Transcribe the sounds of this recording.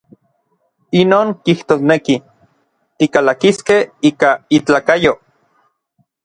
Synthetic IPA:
inoːŋkiht̪oːsneki | t̪ikalakiskehiːkait͡ɬaːkajo

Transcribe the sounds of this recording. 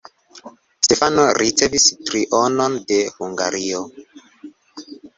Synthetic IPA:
tefanoɾʔit͡sevistɾiʔonondehuŋɡa̰ɾʔio

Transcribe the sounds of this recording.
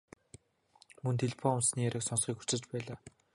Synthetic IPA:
mɵnt̪ʰeɮpʰɔʊmsniːæɾʔə̆ksɔnsχiːkxu̥t͡sɘ̆t͡ɕpæːɮaː

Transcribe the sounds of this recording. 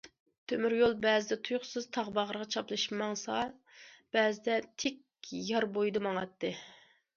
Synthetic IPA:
t̪ʰømyɾjolˠbɛːzɪd̪ɛt̪ʰujʊχsɨzt̪ʰɑʁbɑʁəɾəʁɑt͡ʃʰɑplˠɨʃmɑŋsɑ | b̥ɛːzɪd̪ɛt̪ʰek̚ʲ | jɑɾbojd̪ɨmɑŋɑt̪ːɨ

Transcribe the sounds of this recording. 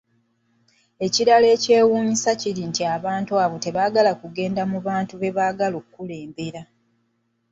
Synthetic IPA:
e̞ciɾale̞ːce̞ːwuːmisaciɾintiaβaːntuaːβo̞te̞βaːɡalakuɡe̞ːndamuβaːntuβe̞βaːɡalokkːule̞ːmbe̞ɾa

